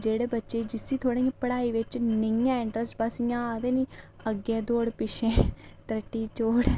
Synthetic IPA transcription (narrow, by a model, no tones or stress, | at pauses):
d͡ʒeːɽeːbətːʃeːd͡ʒɪsːiːt̪ʰoːɽĩjãpəɽaːiːʋɪt͡ʃnɪjãːɪɳʈɾəsʈbasijãːaːd̪eːniː | əɡeːd̪oːɽpɪʃẽːt̪ɾəʈːiːt͡ʃoːɽ